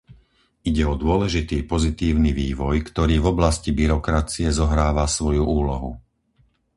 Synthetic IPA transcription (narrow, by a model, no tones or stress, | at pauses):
iɟɛɔd̪ʊɔlɛʒit̪iːpɔzit̪iːʊniʋiːʋɔjkt̪ɔɾiːvɔblascibiɾɔkɾat͡siɛzɔɦɾaːʋasʋɔjuʔuːlɔɦṵ